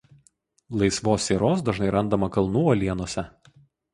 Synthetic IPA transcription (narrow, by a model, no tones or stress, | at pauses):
lˠɐɪsʋoːsʲeːɾoːs̬d̪ɐʒnɐɪɾɐnd̪ɐmɐkɐlˠnuːoːlʲiɛnuɔsʲɛ